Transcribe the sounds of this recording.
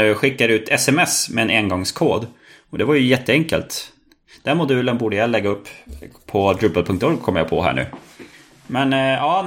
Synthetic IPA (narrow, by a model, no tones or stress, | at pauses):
ɧɪkːaɾʉ̟ːt̪ʰɛsɛmɛsmɛɛneːnɡɔŋskʰoːd̪ | ɔd̪ɛvaɾjɵjɛt̪ʰːəɛŋkə̰lt̪ | d̪̥ɛnmʊd̪ʉ̟ːlənbuːɖəjalɛɡːaɵpːʰɔɡ̪ɾʉːbəlpʰɵŋkt̪ɔɾɡ̚kʰɔmːəja̰pʰɔ̰ɦæ̰ːɳʉ̟̰ː | mɛnɑː